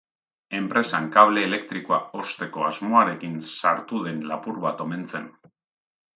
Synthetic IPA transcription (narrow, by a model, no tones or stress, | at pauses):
e̞mpɾe̞saŋkaβle̞ːle̞k̚t̪ɾiko̞ao̞st̪e̞ko̞azmo̞aɾe̞kinsaɾt̪uðe̞nlapuɾβat̪o̞me̞nt͡se̞n